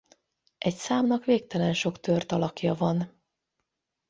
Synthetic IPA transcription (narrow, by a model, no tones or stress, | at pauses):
ʔɛcsaːmnɒkʋeːkt̪ɛlɛnʃo̞kt̪ørt̪ɒlɒkjɒvɒn